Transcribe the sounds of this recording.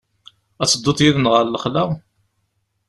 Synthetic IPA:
æt͡sːəd̪ˤːʊt̪ˤjiðənʁəɾləχlæʁ

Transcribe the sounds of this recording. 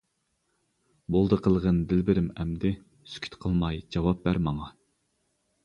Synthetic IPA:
bolˠd̪əqʰəlˠʁənd̪ɪlbɪɾɪmɛmd̪ɪ | sy̥kʲʰy̥t̪qʰəlˠmɑjd͡ʒɑwɑp̚bæɾmɑŋɑ

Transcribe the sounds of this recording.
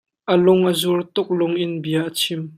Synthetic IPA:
ʔəlʊŋʔəzurt̪ʊk̚lʊŋʔɪnbiɐʔət͡sʰɪm

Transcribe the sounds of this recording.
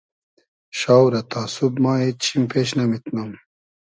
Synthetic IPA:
ɕawɾɐt̪aːsubmaːet͡ɕʰimpʰeɕnɐmit̪nɐm

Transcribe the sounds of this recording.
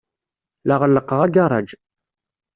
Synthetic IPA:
laʁəlːəqːəʁaɡɑˤɑ̰d͡ʒ

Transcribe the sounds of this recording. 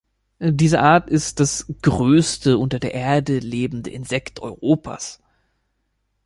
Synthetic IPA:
diːzəʔaːɐtɪst̚d̥asɡ̥ʁøːstəʔʊntɐdeːɐʔeːɐdəleːbm̩də̰ʔɪnzɛktʰʔɔ̰ʏʁoːpʰa̰ːs

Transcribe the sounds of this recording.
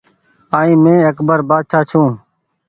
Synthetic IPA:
aːĩːmẽːəkbəɾbaːd̪ʃaːt͡ʃʰũː

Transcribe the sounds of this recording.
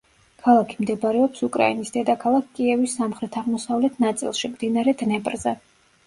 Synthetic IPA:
kʰalˠakʰimd̪ɛbɾɛɔpsukʼɾa̰inisd̪ɛd̪akʰalˠakʰkʼiɛvisːamχɾɛt̪ʰaʁmɔsavlɛt̪ʰnat̪sʼḭlˠʃimd̪inaɾɛd̪nɛpʼɾzɛ

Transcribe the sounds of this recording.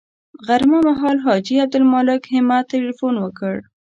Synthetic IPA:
ɣaɾmamaɦɑlɦɑd͡ʒiab̚d̪ʊlmɑlɪkhɪmat̪ːelifonwəkəɽ

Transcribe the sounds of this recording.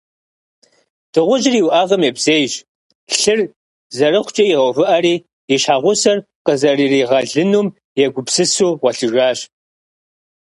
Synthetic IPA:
d̥ɨʁʷʊʒɪriːwʔaʁɐmebzeːjɕ | ɬɨr | zɐɾɨχʷt͡ʃʼɐjɪʁɐwvɨʔɐɾiː | iɕħaːʁʷʊsɐr | qəzɐriːriːʁɐɮɨnuːm | jɛɡʷʊbsɨsuːʁʷɐɬɨʒaːɕ

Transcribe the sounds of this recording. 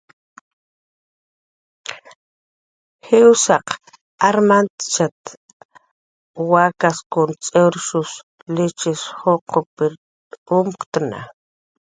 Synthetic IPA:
hewsaq | aɾmant̪t͡ʃat̪ | wakaskont͡sʼewɾʃus | lit͡ʃisχoqʰopiɾ | umqt̪na̰

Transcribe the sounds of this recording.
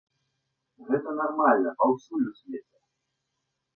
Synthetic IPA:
ɣɛt̪ɐnarmalʲnɐʔɐwsulʲusʲvʲet͡sʲɛ

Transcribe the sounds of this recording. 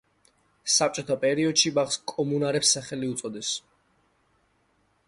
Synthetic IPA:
sap̚t͡ʃʼɔt̪ʰapʼɛɾiɔd̪̥ʃibaχskʼɔmunaɾɛpsːaχɛliut̪sʼɔd̪ɛs

